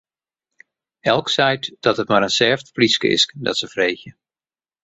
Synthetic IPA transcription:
ɛlˠksɛjtd̥ɔtətmaɾənsɛːftpliskə̰ɪ̰sdɔ̰tsəv̥rejxjə

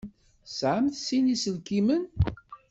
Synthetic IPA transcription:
sʕəmθsinisəlkimən

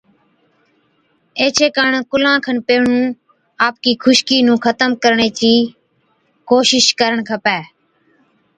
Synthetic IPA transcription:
eːt͡ʃʰeːkaːɳkʊlãːkʰənpeːɳũː | aːp̚kiːkʰʊʃkiːnũːkʰət̪əmkəɾɳeːt͡ʃiː | koːʃɪʃkəɾəɳkʰəpɛː

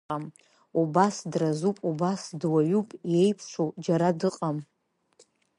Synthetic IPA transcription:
am | ubasdrazupʼubasdwaɥupʼje̞jpʰʂʷʰod͡ʒaɾadɨqʼam

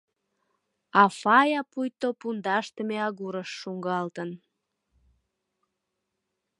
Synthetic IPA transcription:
ɑfɑjɑpujt̪opund̪ɑʃt̪əmeɑɣuɾəʃːuŋɡɑlt̪ən

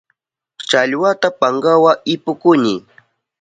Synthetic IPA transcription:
t͡ʃaʎwat̪apaŋɢawaɪpʊkʊnɪ

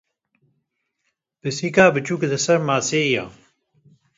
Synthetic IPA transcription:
b̥əsiːkaːbət͡ɕukd̪ɐsɐɾmaːseːja̰ː

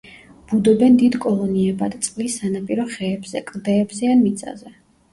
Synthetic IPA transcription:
b̥ud̪ɔbɛnd̪id̪kʼɔlˠɔniɛbad̪t̪sʼqʼlisːanapʼiɾɔχɛːbz̥ɛkʼld̪ɛːbzɛanmit̪sʼa̰zɛ

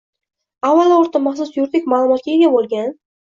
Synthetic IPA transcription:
avːalˠaʊɾt̪ʰamaχsʊsjʊɾt̪ɪk̚ʲmaːlˠʊmɒt̪̚kʲaeɡʲabolˠɡʲan

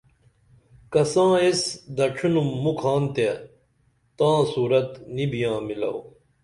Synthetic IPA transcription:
kɐsãːesd̪ɐʈ͡ʂʰunumːukʰaːnt̪e | t̪ãːsuːɾɐt̪nibijãːmilɐ̰w

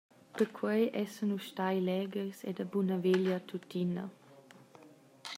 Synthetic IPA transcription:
pəɾkʰwejʔɛsənuʃtajlɛɡəɾsɛ̰dabunəveljat̪ʰutinɐ̰

